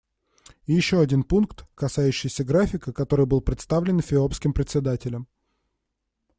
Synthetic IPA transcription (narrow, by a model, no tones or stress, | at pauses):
ɪjɪɕːo̞ɐdʲinpunkt̪kɐsajʉɕːɪjsʲəɡɾafʲɪkəkɐt̪o̞ɾɨjbɨlˠpɾʲɪt̪st̪avlʲɪnfʲɪopskʲɪmpɾʲɪt̪sʲɪd̪atʲɪlʲəm